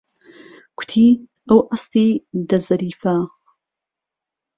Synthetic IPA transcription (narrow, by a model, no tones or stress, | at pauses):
kʰʷʊ̥t̪ʰiː | ɐwʔast̪iːd̪ɐzɐɾiːfa